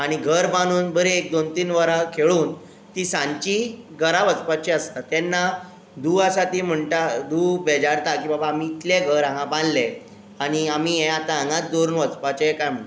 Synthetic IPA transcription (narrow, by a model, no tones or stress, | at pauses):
aɽ̃iɡʱəɾbaɽ̃uːnbəɾeek̚d̪ont̪iːnʋəɾakʰeɭuːn | t̪isãɲt͡ɕiɡəɾaʋət͡spat͡ɕeəst̪at̪ɛnːa | d̪uːasat̪im̤əɳʈad̪uːbɛd͡ʑaɾt̪akiːbabaːmiːt̪ljaɡʱəɾãŋɡãbãnlɛ | aɽ̃iamijɛ̃at̪aə̃ŋɡãt̪̚d̪oɾnʋət͡spat͡ɕekajm̤əɳt̪